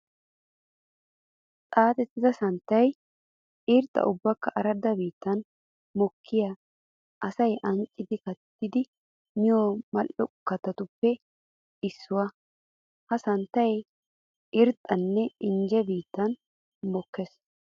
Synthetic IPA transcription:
t̪ʼaːt̪ɛt̪ːɪzɐsɐnt̪ːɐj | ʔɪɾt̪ʼːɐ̰ʔʊbːɐkːɐʔɐɾɐd̪ɐbiːt̪ːɐn | mɔkʰːɪja | ʔɐsɐjʔɐŋkʼːɪd̪ɪkɐt̪ːɪd̪ɪ | mɪjomɐlɔkːɐt̪ɐt̪ʊpːɛ | ɪsːʊwɐ | hɐsɐnt̪ːɐj | ʔɪɾt̪ʼːɐnːɛɪnd͡ʒɛbiːt̪ːɐn | mɔkːɛs

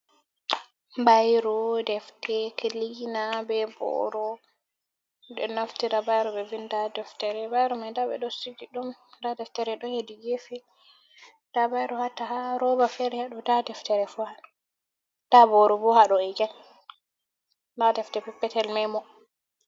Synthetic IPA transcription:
bajɾɔdɛftɛkeliɡinabɛbɔ̰ɾɔ | dɛnaftiɾabajɾɔbɛvindadɛftɛɾɛbajɾɔmadabɛ̰ɗɔsiɡiɗumdadɛftɛɾɛɗɔhediɡefɛ | d̥abajɾɔhatahaɾɔbafɛɾɛhaɗɔdadɛftɛɾɛfuha | d̥abɔɾɔbɔhaɗɔɛɡɛn | dadɛftɛpɛpːɛtɛlmɛmɔ

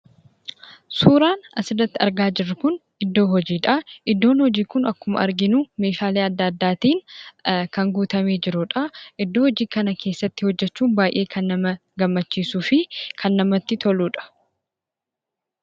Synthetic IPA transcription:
suːɾaːnɐsɪrɐt̪ːɪɐ̰ɾɡaːd͡ʒɪrːʊkʊnʔɪd̪ːo̞ːɦɔd͡ʒiːᶑɐʔɪd̪ːo̞ːnhɔd͡ʒiːkʊnɐkːʊmɐ̰ʔɐ̰ɾɡɪnume̞ːʃaːleːɐd̪ːɐd̪ːaːt̪iːnkɐŋɡuːt̪ɐme̞ːd͡ʒɪɾʊᶑɐʔɪd̪ːo̞ːhɔd͡ʒiːkɐnɐkʰe̞ːsːɐt̪ːɪhɔd͡ʒːɛt͡ʃːuːnbaːjʔe̞ːkʰɐnːɐmɐ | ɡɐmːɐt͡ʃːiːsuːfɪkʰɐnːɐmɐt̪ːɪt̪ʰɔluːᶑɐ̥

